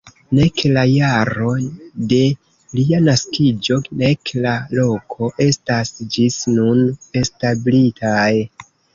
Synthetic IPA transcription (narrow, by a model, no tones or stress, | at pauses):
ne̞klajaɾo̞de̞ | lianaskid͡ʒo̞ne̞klalo̞kʰo̞ʔe̞stasd͡ʒisnune̞stablitʰaj